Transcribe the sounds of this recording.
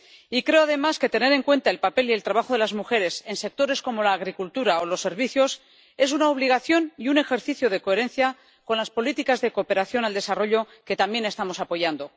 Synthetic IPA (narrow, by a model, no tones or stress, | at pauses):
ikɾe̞oaðe̞maske̞t̪e̞ne̞ɾe̞ŋkwe̞nt̪aelpape̞lie̞lt̪ɾaβaxo̞ð̞e̞lazmuxe̞ɾe̞se̞nse̞k̚t̪o̞ɾe̞sko̞mo̞laːɣ̞ɾikult̪uɾaolo̞sːe̞ɾβ̞iθjo̞s | e̞s̬unaoβ̞liɣ̞aθjo̞niune̞xe̞ɾθiθjoð̞e̞ko̞e̞ɾe̞nθja | ko̞nlaspo̞lit̪ikazðe̞koːpe̞ɾaθjo̞nald̪e̞saro̞ʎo̞ | ke̞t̪ambje̞ne̞st̪amo̞sapo̞ʝand̪o̞